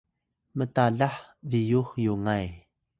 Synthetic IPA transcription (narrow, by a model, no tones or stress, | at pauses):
mətaɮaħvijuxjuŋaj